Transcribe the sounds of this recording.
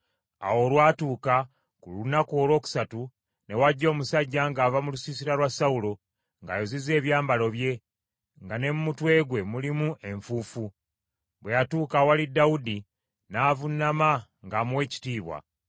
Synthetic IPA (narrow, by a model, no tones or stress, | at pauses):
a̰wo̞ːlwaːtuːka | kulunakuolwo̞ːku̥satu | ne̞waɟːo̞ːmusaɟːaŋɡaːvamulusisiɾaɾwasaulo̞ | ŋɡajozize̞ːβjaːmbalo̞βje̞ | ŋɡane̞mumutwe̞ːɡwe̞mulimuʔe̞ɱfuːfu | βwe̞jatuːkawalidːawudi | naːvunːama | ŋɡamuwe̞ːci̥tiːβwa̰